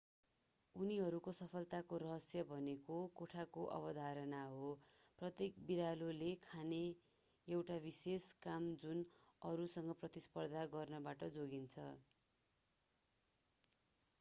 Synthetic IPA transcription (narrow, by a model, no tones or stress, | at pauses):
uniɦʌɾukosʌpʰʌlt̪akoɾʌɦʌsjʌbʱʌnekokoʈʰakoʔʌ̰bʌd̪ʱaɾʌnaɦoprʌt̪jekbiɾalolekʰane | ewʈabiseskamd͡zunʌɾusʌŋɡʌprʌt̪ispʌrd̪ʱaɡʌrnʌbaʈʌd͡zoɡint͡sʰʌ̰